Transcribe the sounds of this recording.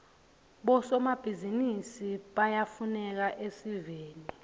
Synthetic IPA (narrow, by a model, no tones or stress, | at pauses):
ɓɔsɔmab̥ʱizinisiɓajafunɛk̬aʔesiveːni